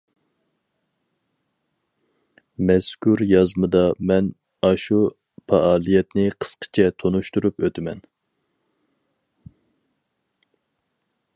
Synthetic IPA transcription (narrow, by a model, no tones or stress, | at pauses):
mɛskʰuɾjɑzmɨd̪ɑmɛn | ɑʃu | pʰɑʔɑːlˠijɛt̪nɪqʰə̥sqʰə̥t͡ʃʰɛt̪ʰonuʃt̪uɾupøt̪ʰɪmɛn